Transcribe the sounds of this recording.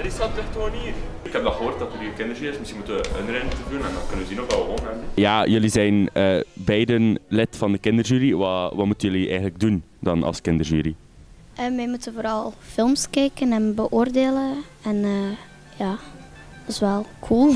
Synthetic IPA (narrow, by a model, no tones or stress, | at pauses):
əɾɪsatətoːniːr | ɪkɦɛp̚dɛlˠχəɦoːrt̚dɑtəɾiəkɪndərʒyːɾɪsmɪsxinmutənʋəənɾɛntədunɛndɑnkɵnənʋəzinokalˠʋəʋoːnɛjaːjɵlizɛjnəːbɛjdənlɪtfɑndəkɪndərʒyːɾiʋɑʋɑtmutənjøliʔɛ̰jɣənləɡ̚dun | dɑnɑ̰lˠskɪndərʒyːɾi | ʔəʋɛjmutənvoːɾɑlˠfɪlˠmskɛjkənɛnbəʔoːrdeːlə | ɛnəː | jaːtɪsʋɛlˠkʰulˠ